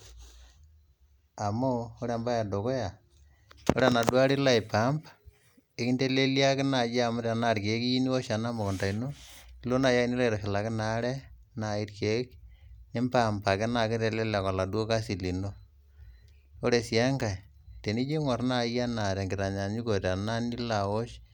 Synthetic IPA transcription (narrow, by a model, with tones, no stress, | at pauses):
a˨mo˦o˦ɾa˨mba˦ja˨do˨ko˦ja˨ | o̰˦ɾe˦a˨na˨dwa˦ɾi˦la˦ɪ˨pa˨˦mba | e˦ki˦nte˦le˦li˦a˦kɪ˦na˨ja˨mʊ˦ɾa˨na˦˨ɾke˨˦ki˦ji˦ni˦wo˦ʃa˨na˦mo˨kɔ˨nta˨ino˦i˦lo˦na˨ja˦i˦ni˦le˦ɾa˨ʃɪ˨la˨kɪ˦na˦ɾɛ˦ | na˨i˦tke˨˦kne˦mpa˦mpa˨kɪ˦na˨kɪ˦te˨le˦la˨kɔ˨la˨dwo˦ka˦si˨li˨no˦ | o˦ɾe˨si˨a˦ŋka˨ | te˨ni˦d͡ʒe˦ŋɔ˨rna˦ja˦na˨ɾa˨ŋɡɪ˨ɾa˨ɲa˨ɲi˦ko˨ta˨na˦ni˦la˨o˦ʃ